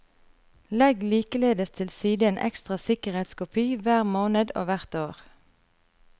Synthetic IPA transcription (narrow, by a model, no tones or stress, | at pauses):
lɛɡliːkəleːd̪əst̪ʰɪlsiːd̪əeːnʔɛ̰kst̪ʁɑsɪkəʁheːt̪skʊpʰiːʋæːʁmoːnəd̪o̰ːʋæʁt̪oːʁ